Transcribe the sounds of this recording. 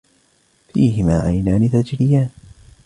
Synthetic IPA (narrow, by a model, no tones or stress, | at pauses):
fiːɦɪmaːʕajnaːnɪθad͡ʒɾɪjaːn